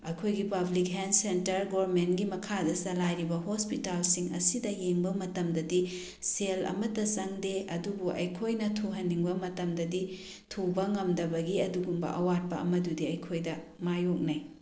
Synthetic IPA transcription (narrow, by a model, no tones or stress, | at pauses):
ɐjkʰojɡipɐblik̚ɦensentɐɾɡoɾmentɡimɐkʰadɐsɐlajɾibɐɦospitalsiŋɐ̰sidɐjeŋbɐmɐtɐmdɐdi | selɐ̰mɐtɐsɐŋdeɐdubuʔɐ̰jkʰojnɐtʰuɦɐnːiŋbɐmɐtɐmdɐdi | tʰubɐŋɐmdɐbɐɡiɐduɡumbɐ̰ʔɐwat̚pɐɐ̰mɐdudiɐjkʰojdɐmajok̚naj